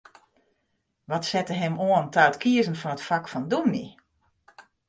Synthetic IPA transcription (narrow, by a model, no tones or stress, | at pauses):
ʋɔtsɛtəɦɛmoəntaətkiəzən̩fɔnətfakfɔndumḭ